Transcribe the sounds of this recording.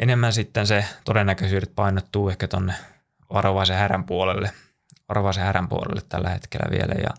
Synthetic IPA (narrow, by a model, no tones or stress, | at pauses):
ʔenemːænsit̪ːenset̪odenːækøsyːɾet̪̚pɑinot̪ːuːehkæt̪onːe | ʋɑroʋɑsehæræmpuolelːe | ʋɑroʋɑsehæræmpuolḛlːet̪t̪ælːæhḛt̪kelːæ̰ʋḭelæjɑ̰